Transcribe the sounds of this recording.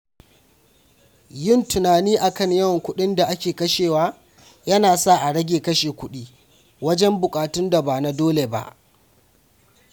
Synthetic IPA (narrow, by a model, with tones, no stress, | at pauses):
jɪ˦˨ntʊ˨naː˨niː˦ʔa˨kɐ˦˨ɲjɐ˦wŋkʷʊ˦ɗɪ˦nda˨ʔa˦kʲeː˨kɐ˦ʃeː˨waː˦ | jɐ˦naː˨sa˦˨ʔa˨ɽɐ˦ɡʲeː˨kɐ˦ʃeː˨kʷʊ˦ɗiː˦ | wɐ˦d͡ʒɛ˦mbʊ˨kʼaː˨tʊ˦nda˨baː˨na˦doː˦le˨ba̰˦ʔ